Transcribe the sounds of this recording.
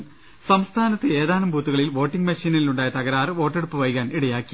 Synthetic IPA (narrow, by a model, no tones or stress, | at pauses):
sɐmst̪ʰaːnɐt̪ːɨe̞ːðaːnɐmbuːt̪ːuɣɐɭilʋo̞ːʈːiŋɡmɐʂiːnɐiluɳɖaːjɐt̪ɐɣɐɾaːrʋo̞ːʈːeɽupːɨʋɐjkːaːniɽɐjaːkːi̥